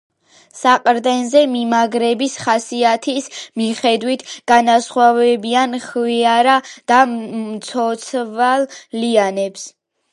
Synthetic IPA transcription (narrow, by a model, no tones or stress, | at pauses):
saqʼɾd̪ɛnzɛmimaɡɾɛbisχasiat̪ʰismiχɛd̪wit̪ʰɡ̥anasχwavɛbianχviaɾad̪̥amt̪sʰɔt̪sʰvalˠlianɛps